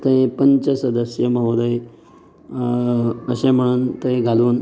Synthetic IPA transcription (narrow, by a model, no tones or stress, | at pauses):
t̪ẽpəɲt͡ɕəsəd̪əsjəməʋd̪əj | əɕẽm̤əɽ̃uːnt̪eeɡʱaluːn